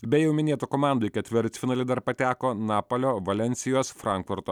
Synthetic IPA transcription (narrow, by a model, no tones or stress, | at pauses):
bʲɛjɛʊmʲɪnʲeːt̪ukoːmɑnd̪ʊjkʲɛt̪ʲʋʲɪɾʲt̪sʲfʲɪnɑːlʲɪd̪ɐɾpɐt̪ʲæːkoːnɑːpoːlʲoːʋɐlʲɛnʲt̪sʲɪjoːsfɾɑˑŋkfʊɾt̪oː